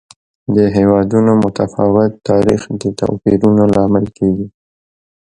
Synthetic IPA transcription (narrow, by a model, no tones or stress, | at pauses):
d̪əɦewɑd̪unomʊt̪afɑwɪt̪ːɑɾixd̪ət̪a̰fiɾunolɑmɪlkeɡi